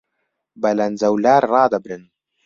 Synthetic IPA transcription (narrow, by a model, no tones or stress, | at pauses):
bɐlɐnzɐwlaːɾrɑːd̪ɐbɾɨn